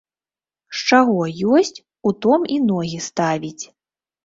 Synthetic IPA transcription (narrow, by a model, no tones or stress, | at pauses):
ʂt͡ʂaɣɔjɔsʲt͡sʲ | ut̪ɔminɔɣʲist̪avʲit͡sʲ